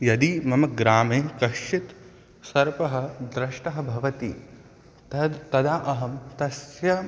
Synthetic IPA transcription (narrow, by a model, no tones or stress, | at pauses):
jɐd̪imɐmɐɡɾaːmeːkɐʃit̪ | sɐɾpɐɦɐ̆d̪ɾɐʃʈɐɦɐ̆bʱɐʋɐt̪i | t̪ɐd̪aːʔɐɦɐmt̪ɐsjɐ